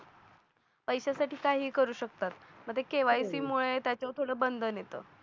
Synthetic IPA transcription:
pəjɕasaʈiːkaɦiːkəɾuːɕəkt̪at̪m̤əɡt̪ʰekeʋajsiːmuɭet̪jat͡ɕot̪ʰoɽəːbənd̪ʱənjet̪ə̰ː

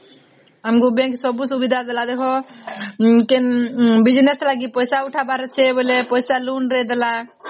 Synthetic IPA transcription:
əmkubẽŋksɔbusubid̪ʱad̪elad̪ekʰɔ | kinbid͡ʒneslaɡipɔjsauʈʰabaɾɛt͡ʃʰɛbolepɔjsalunɾed̪ela

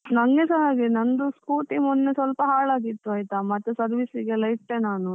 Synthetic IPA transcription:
nɐŋɡesɐnaːɡenɐnd̪uskuːʈimɔnːesʋɐlpɐɦaːɭaːɡit̪ːuɐːjt̪ɐmɐt̪ːesɐɾʋisiɡelɐjiʈːenaːnu

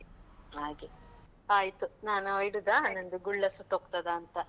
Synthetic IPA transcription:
aːɡe | aːjt̪unaːnuojɽud̪aːnɐnd̪uɡuɭːɐsuʈːoːkt̪ɐd̪aːnt̪ɐ

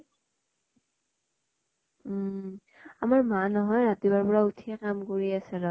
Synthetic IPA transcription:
amaɹmanɔɦɔjɹatibaɹpɔɹautʰiɛkamkoɹiasɛɹɔ

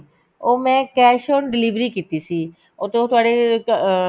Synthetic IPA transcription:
omɛ̃kɛʃonɖilibɾikit̪isʰi | ot̪eot̪aɽe

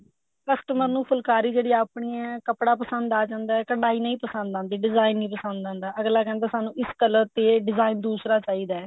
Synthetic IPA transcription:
kəsʈəməɾnũːpʰʊlkaːɾiːd͡ʒeːɽiːaːpɳiːɛːkəpɽaːpəsənd̪aːd͡ʒãːnd̪aːɛkəɳɖaːiːnəĩːpəsə̃nd̪ãːnd̪iːɖɪzaːinːĩːpəsə̃nd̪ãːnd̪aːʔəɡlaːkɛ̃ːnd̪aːsaːnũːɪskəlt̪eːɖɪzaːɪnd̪uːsɾaːt͡ʃaːiːd̪aːɛː

